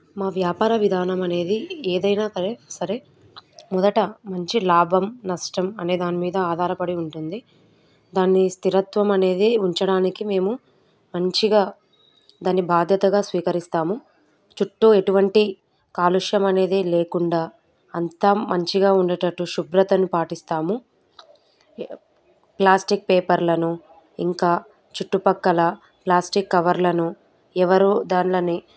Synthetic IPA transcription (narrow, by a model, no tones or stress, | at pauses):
maːʋjaːpaːɾɐʋid̪ʱaːnɐmɐne̞ːd̪ieːd̪ɐjnaːsɐɾesɐɾe | mɔd̪ɐʈɐmɐɲt͡ʃilaːbʱɐmnɐʂʈɐmɐne̞ːd̪aːnimiːd̪ɐaːd̪ʱaːɾɐpɐɽiuɳʈund̪i | d̪aːnːist̪iɾɐt̪ʋɐmɐne̞ːd̪eːuɲt͡ʃɐɽaːnikime̞ːmu | mɐɲt͡ʃiɡaː | d̪aːnːibʱaːd̪ʱjɐt̪ɐɡaːsʋiːkɐɾist̪aːmu | t͡ʃuʈːue̞ʈuʋɐɳʈi | kaːluʂjɐmɐne̞ːd̪iːle̞ːkuɳɖaː | ɐnt̪aːmɐɲt͡ʃiɡaːuɳɖɐʈɐʈːuʃubɾɐt̪ɐnupaːʈist̪aːmu | plaːsʈik̚peːpɐɾlɐnu | ḭŋkaː | t͡ʃuʈːupɐkːɐlɐ | plaːsʈikːɐʋɐɾlɐnu | ɛʋɐɾud̪aːnlɐnːi